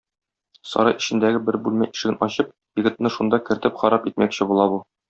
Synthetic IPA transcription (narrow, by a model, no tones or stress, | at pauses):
sɒ̰ɾɑjɘ̆ɕɘ̆nd̪æɡɘbɘɾbʉlmæjʔiʃɘ̆ɡɘnʔɒɕɤp̚ | jɘ̆ɡɘ̆t̪̚nɤʃund̪ɑkɘ̆ɾt̪ɘpχɒɾɑpit̪mækɕɘbulˠɑbu